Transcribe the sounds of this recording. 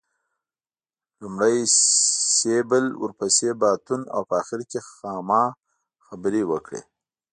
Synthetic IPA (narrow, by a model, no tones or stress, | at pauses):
lumɽaj | sebəlwə̰ɾpasebɑːt̪una̰wpəaxɪɾkexɑːmɑ | xabɾewəkɽḛ